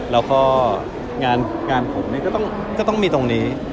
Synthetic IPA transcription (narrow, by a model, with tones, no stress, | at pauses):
lɛː˦˥wkʰɔː˥˩ | ŋaː˧nŋaː˧npʰu˨˩k̚niː˦˥˩kɔː˥˩t̪ɔ˥˩ŋ | kɔː˥˩t̪ɔ˥˩ŋmiː˧t̪o˧ŋniː˦˥